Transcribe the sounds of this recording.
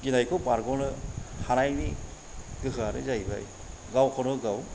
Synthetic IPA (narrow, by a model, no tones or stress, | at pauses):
ɡinajkʰɯpaɾɡɔnɯhanajni | ɡɯɦɯaɾɯ̰zajba̰j | ɡawkʰɔnɯɡaw